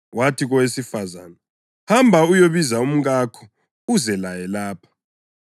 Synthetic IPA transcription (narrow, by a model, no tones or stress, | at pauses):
watʰiɣɔwesifaza̰ːna | hambʱaujoβizaum̩ɣakʰɔ̥ | uzɛlajɛlaːpʰḁ